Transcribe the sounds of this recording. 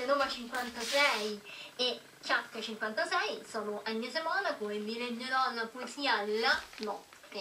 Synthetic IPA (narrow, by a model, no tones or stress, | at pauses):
senovat͡ʃiŋkwant̪asɛje | t͡ʃːakːat͡ʃiŋkwant̪asɛjsɔːnoʔamːiasemanakomemileɲːeɾɔnapoesiːalːanɔt̪ːe